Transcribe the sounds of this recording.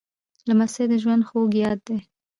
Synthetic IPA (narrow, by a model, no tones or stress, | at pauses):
lamased̪əʒwand̪xoɡjɑd̪̚d̪e